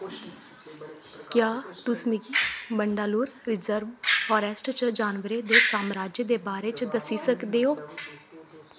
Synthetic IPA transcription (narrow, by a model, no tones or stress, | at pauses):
kjaːt̪ʊsmikiːbəɳɖaːluːɾɾɪzəɾʋfɔːɾɛːsʈt͡ʃd͡ʒaːnʋəɾeːd̪eːsaːmɾaːd͡ʒjəd̪eːbaːɾeːt͡ʃd̪əsiːsəkd̪eːoː